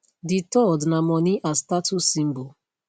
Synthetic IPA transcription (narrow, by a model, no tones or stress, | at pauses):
ditɔdnamɔniʔastatusĩmbo